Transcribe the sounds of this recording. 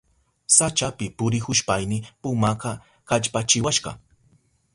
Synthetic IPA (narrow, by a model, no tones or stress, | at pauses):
sat͡ʃapɪpʊɾɪxʊʃpajnɪpʊmakɑ | kaʎpat͡ʃɪwaʃɢɑ̰